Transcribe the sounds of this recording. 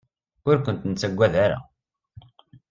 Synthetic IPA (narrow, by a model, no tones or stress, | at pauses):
ʊɾkʷənt̪nt͡sːæɡʷːæðaɾa̰